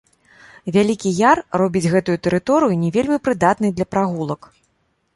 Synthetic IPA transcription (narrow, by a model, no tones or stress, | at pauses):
vʲalʲikʲijarrɔbʲid͡zʲɣɛt̪ujut̪ɛɾɨt̪ɔɾɨjunʲɛvʲelʲmʲipɾɨd̪at̪nɨjd̪lʲɐpɾaɣulˠɐk